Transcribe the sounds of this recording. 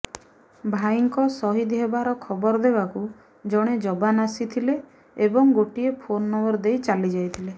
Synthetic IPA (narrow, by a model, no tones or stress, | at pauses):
bʱaiŋkɔsɔɦid̪iɦebaɾɔkʰɔbɔɾd̪ebaku | d͡ʒɔɽ̃ed͡ʒɔbanasit̪ʰileː | bɔŋɡoʈiepʰonːɔbɔɾd̪ejt͡ʃalid͡ʒajt̪ʰile